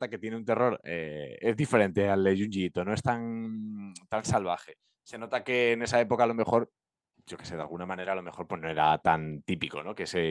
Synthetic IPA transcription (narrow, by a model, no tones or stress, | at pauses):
t̪ake̞t̪jeneunt̪e̞ro̞ɾḛe̞zðife̞ɾe̞nt̪e̞aleʝuɲʝit̪o̞no̞e̞st̪aŋ | t̪ansalβ̞aχe̞ | se̞no̞t̪ake̞ːne̞sae̞po̞kaːlo̞me̞xo̞ɾ | ɟ͡ʝo̞ke̞se̞ða̰lɣ̞unamãne̞ɾaːlo̞me̞xo̞ɾpwe̞zno̞e̞ɾat̪ant̪ipiko̞̰no̞keese